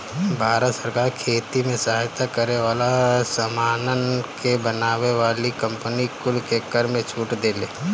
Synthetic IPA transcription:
bʱaːɾət̪səɾkaːɾkʰeːt̪imẽsaɦajt̪akəɾeʋaːlasəmaːnənkebənaːʋeʋaːlikɐ̃mpənikʊlkekəɾmẽt͡ʃʰuːʈd̪eːleː

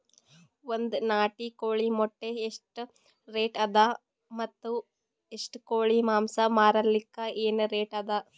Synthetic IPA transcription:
ond̪naːʈikoːɭimɔʈːeːʂʈ | ɾeːʈɐd̪a | mɐt̪ːu | eʂʈkoːɭimaːmsɐmaːɾɐlːikːɐeːnɾeːʈɐd̪a

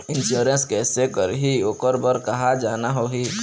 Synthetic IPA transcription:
ɪnʃuːɾə̃nskɛːsekəɾɦiokəɾbəɾkɐɦad͡ʒaːnaɦoːɦi

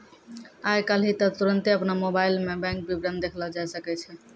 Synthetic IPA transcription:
ajkalɦit̪ət̪uɾənt̪eəpnamobajlmebɛ̃ŋk̚bibɾə̃nd̪d̪ekʰlɔd͡ʒasəkɛt͡ʃʰɛ

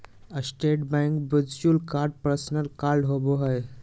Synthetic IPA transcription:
əsʈeʈ̚bãŋkbəd͡zt͡ɕuːlkaɾɖ̚pɾəsnəɾkaɾɖɦoboɦəj

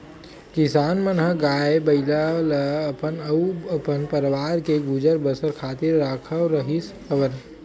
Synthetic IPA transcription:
kɪsaːnmənɦəɡaːebəɪlalapənəəpənpəɾʋaːɾkeɡud͡ʒəɾbəsəɾkʰaːt̪ɪɾːaːkʰəɾəɦiskʰəbəɾ

